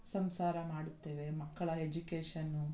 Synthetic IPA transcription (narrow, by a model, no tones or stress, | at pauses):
sɐmsaːɾɐmaːɽut̪ːeːʋe̞mɐkːɐɭɐed͡ʒukeːʂɐnːu